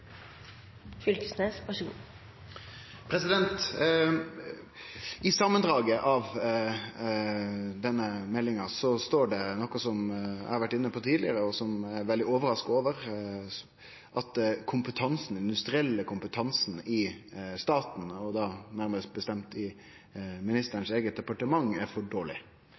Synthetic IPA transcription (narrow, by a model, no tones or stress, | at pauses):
fʏlkəsneːsʋɑʂəɡṵː | pʰɾɛsɪd̪ɛnt̪ | ɪsɑmːənd̪ɾɑːɡəʔɑʋ | d̪ɛnːəmɛlːɪŋɑsɔst̪oːɖɛnɔkːɑsɔmæ̰ɪhɑɾʋæʈːɪnːəpʰɔt̪ʰiːlɪəɾəɔsɔmæɾʋɛld̪ɪoːʋəɾɑskoːʋəɾ | ʔɑt̪kʰʊmpət̪ʰɑnsn̩ɪnd̪ʉst̪ɾɪɛlːəkʰʊmpət̪ʰɑnsn̩ɪst̪ɑːt̪n̩ɔd̪ɑːnæɾməst̪̚bəst̪ɛmt̪ʰɪ | mɪnɪst̪əɾənseːɡət̪̚d̪ɛpɑʈəmɑŋæɾfɔɖoːɭɪ̰